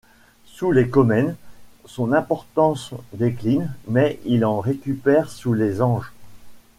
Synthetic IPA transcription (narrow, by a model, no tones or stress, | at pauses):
sulekɔmɛnsɔ̃nɛ̃pɔʁt̪ɑ̃sd̪eklinmɛilɑ̃ʁekʲypɛʁsulezɑ̃ʒ